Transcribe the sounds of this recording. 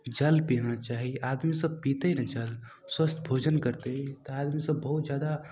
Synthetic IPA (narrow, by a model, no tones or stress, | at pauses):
d͡ʒɐlpinat͡ʃaːɦieʔaːd̪misəb̚piːt̪enɐd͡ʒəl | swəst̪ʰbʱoːd͡ʒənkəɾt̪et̪oaːd̪misəbːɐɦʊt̪zjaːd̪a